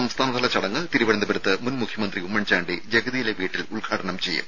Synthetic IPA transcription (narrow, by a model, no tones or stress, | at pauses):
ɐmst̪ʰaːnɐt̪ɐlɐt͡ɕɐɽɐŋːɨt̪iɾuʋɐɾɐnd̪ɐbeɾut̪ːɨmunmukʰjɐmɐnd̪riumːɐɳt͡ɕaːɳɖid͡ʑeɡɐðijileʋiːʈːiluɭɡʱaːʈɐɳɐmt͡ɕe̞jːṵm